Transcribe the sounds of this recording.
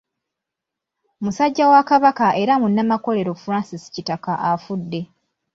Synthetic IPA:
musaɟːawakaβakaʔe̞ɾamunːamako̞le̞ɾo̞fuɾaːnsisi̥citakaʔafudːe̞

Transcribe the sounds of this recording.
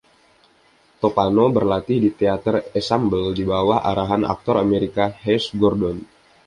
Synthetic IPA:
t̪opanobərlat̪ɪhdit̪eat̪ərɛsambəldibawahʔa̰ɾaɦanʔa̰k̚t̪ɔɾameɾikaɦɛsɡɔrdɔn

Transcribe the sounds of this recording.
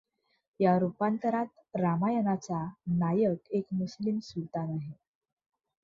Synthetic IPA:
jaɾupant̪əɾat̪ | ɾamajənat͡sanajəkekmuslimsut̪anaɦe

